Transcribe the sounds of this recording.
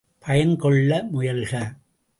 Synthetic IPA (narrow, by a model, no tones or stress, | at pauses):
pʰɐjɐnkɔɭːɐmʊjɐlɣɐ